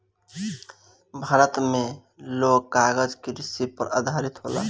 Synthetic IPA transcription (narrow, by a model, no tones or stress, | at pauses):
bʱaːɾət̪me | loɡːaɡəd͡ʒkeɾisipəɾad̪ʱaɾit̪ɦola̰